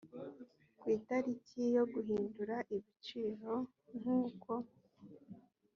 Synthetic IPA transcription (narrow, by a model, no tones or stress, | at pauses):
kwiːtaɾicijo̞ɡuɦiːnduɾaʔiβit͡ʃiːɾo̞ | ŋhuːko̞